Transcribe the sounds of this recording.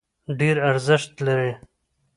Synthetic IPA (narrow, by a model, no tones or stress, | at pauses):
ɖeɾaɾzɪʂt̪laɾe